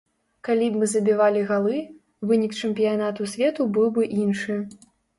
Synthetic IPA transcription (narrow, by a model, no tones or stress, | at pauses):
kalʲibmɨzɐbʲivalʲiɣalˠɨ | vɨnʲikt͡ʂɨmpʲijanat̪usʲvʲɛt̪ubɨwbɨʔinʂɨ